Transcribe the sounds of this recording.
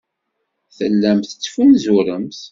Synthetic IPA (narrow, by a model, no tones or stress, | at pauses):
θəlːæmθə̥t͡sːfunzuɾəmθ